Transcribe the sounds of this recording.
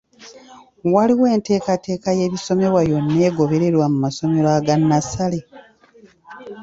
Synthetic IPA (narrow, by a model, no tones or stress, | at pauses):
waliwe̞ːnte̞ːkate̞ːkaje̞ːβiso̞me̞ɾwajo̞nːe̞ːɡo̞βe̞ɾe̞ɾwamumaso̞me̞ɾaːɡanːasale̞